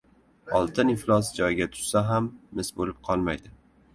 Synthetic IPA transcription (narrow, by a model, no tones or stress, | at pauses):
ɒlˠt̪ʰɪnɪflˠɒs̬d͡ʒɒjɡʲat̪ʰʊ̥ʃsaɦamːɪsbolɪp̚qʰɒlˠmajd̪ɪ